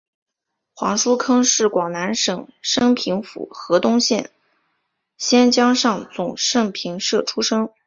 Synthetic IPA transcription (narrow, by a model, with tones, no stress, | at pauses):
xwɑ˧˥ŋʂu˥kʰɤ˥ŋʂɻ̩˥˩kwɑ˨˩ŋna˧˥nʂɤ˨˩ŋʂɤ˥ŋpʰi˧˥ŋfṵ˨˩xɤ˧˥t̪ʊ˥ŋɕjɛ˥˩n | ɕjɛ˥nt͡ɕjɑ˥ŋʂɑ˥˩ŋt͡sʊ˨˩ŋʂɤ˥˩ŋpʰi˧˥ŋʂɤ˥˩ʈ͡ʂʰu˥ʂɤ˥ŋ